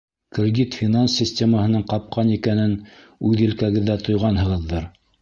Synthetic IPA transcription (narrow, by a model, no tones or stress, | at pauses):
krʲɪdʲit̪fʲɪnansʲːɪsʲtʲeməhɤ̆nɤɴqɑp̚qɑnikænɘn | ʉðɘ̆lkæɣɘ̆ðːæt̪ŏjʁɑnhɤ̆ʁɤ̆ðːɤɾ